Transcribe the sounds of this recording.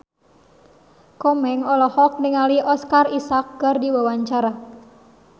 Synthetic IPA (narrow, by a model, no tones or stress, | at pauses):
kɔmɛŋɔlɔhɔk̚nɪŋaliɔskarisak̚ːərdiwawaɲt͡ʃaɾa